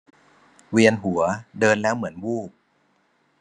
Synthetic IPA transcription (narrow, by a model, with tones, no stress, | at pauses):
wi˧ənɦu˨˩˦ɐdɤː˧nlɛː˦˥wmɯ˩˦ənwuː˥˩p̚